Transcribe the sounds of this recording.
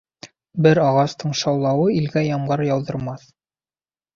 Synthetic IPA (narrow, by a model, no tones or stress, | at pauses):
bɘɾɑʁɑst̪ʰɤɴʃɑwlˠɑwɤilɡæjɑmɢɤɾjɑwˠd̪ɤ̆ɾmɑθ